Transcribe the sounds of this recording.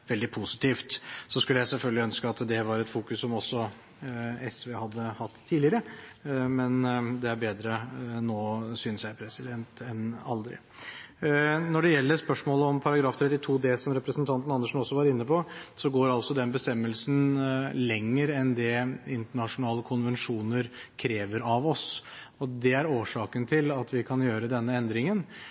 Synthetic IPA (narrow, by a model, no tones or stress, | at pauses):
ʋɛld̪ɪpʰusɪ̥t̪ʰiːft̪sɔskʉləjæɪsɛlfœlɡəlɪœnskəɑt̪d̪ɛʋɑɾɛt̪fuːkʉsːɔmɔsːɔ | ɛsʋehɑd̪ːəhɑt̪ʰːiːlɪəɾə | mɛnd̪ɛæɾbeːd̪ɾənoːsyːnəsjæɪpʰɾɛsɪd̪ɛnt̪ɛnɑ̰ld̪ɾɪ̰ | nɔɖɛjɛlːəɾspœʂmoːləɔmpʰɑɾɑɡɾɑːft̪ʰɾɛt̪ːɪt̪ʰuːd̪ɛsɔmɾɛpɾəsnt̪ʰɑnt̪ənɑnːəʂnɔsːɔʋɑɾɪnːəpʰɔsɔɡoːɾɑlsɔd̪ɛnbəst̪ɛmːəlsnlɛŋːəɾɛnd̪ɛɪnt̪əɳɑʂʊnɑːləkʰʊnʋɛnʂuːnəɾkʰɾeːʋəɾɑʋɔs | ɔd̪ɛæɾoːʂɑːkənt̪ʰɪlɑt̪ʰʋɪkʰɑnjøːɾəd̪ɛnːəɛnd̪ɾɪŋən